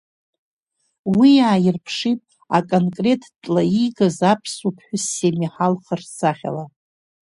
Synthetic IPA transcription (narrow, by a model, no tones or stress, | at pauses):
wijaːjɪrpʰʂitʼ | a̰kʼonkʼre̞tʰtʼlaiɡazapʰsupʰħᶣʊsːemiħalχərsʰaχʲa̰la